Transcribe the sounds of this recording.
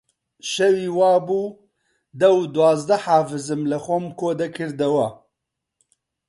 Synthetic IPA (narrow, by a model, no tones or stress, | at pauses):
ʃɛwiːwɑːbuː | d̪ɛwd̪uwɑːzd̪ɐħaːfɨzɨmlɐxʷɔmkʰoːd̪ɛkʰɨɾd̪ɐwɐ